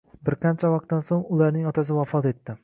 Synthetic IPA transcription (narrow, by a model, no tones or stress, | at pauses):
bɪɾqʰɑnt͡ʃʰavɒq̚t̪ːansoŋʊlaɾnɪŋɒt̪ʰas̬ɪvafɒt̪e̞t̪ːɪ